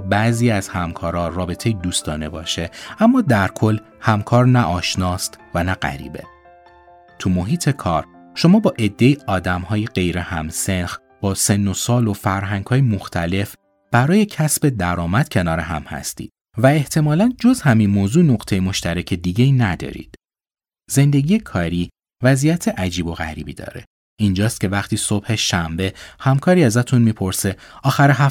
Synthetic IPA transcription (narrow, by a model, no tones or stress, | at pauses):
bæziːæz̥hæmkʰɒːɾɒrɒːbe̞t̪ʰejid̪uːst̪ɒːne̞bɒːʃe̞æmːɒːd̪æɾkʰo̞lː | hæmkʰɒːɾnæʔɒːʃnɒːst̪vænæɢæ̰ɾḭːbe̞̰ | t̪ʰumoɦiːt̪ʰe̞kʰɒːɾ | ʃo̞mɒːbɒːʔe̞d̪ːe̞iɒːd̪æmhɒːjeɢe̞jɾe̞hæmse̞nx | b̥ɒːse̞nːo̞sɒːlo̞fæɾɦæŋɡhɒːjemoxt̪ʰæle̞f | b̥æɾɒːje̞cʰæsbe̞d̪æɾɒːmæd̪̥cʰe̞nɒːɾeɦæ̰mhæ̰st̪ḭːd̪̥ | væe̞ht̪ʰe̞mɒːlænd͡ʒo̞zhæminmoːzuːnoɣt̪ʰe̞jemo̞ʃt̪ʰæɾecʰe̞d̪iɟeinæd̪ɒ̰ːɾḭːd̪̥ | ze̞nd̪e̞ɡijekʰɒːɾiː | væzijæt̪ʰe̞ʔæd͡ʒiːbo̞ɣæ̰ɾiːbiːd̪ɒ̰ːɾe̞̰ | ind͡ʒɒːst̪̚cʰʲe̞væxt̪ʰiːso̞b̥he̞ʃæmbe̞hæmkʰɒːɾiːæzæt̪ʰunmiːpʰo̞ɾse̞ɒːxæɾeɦæ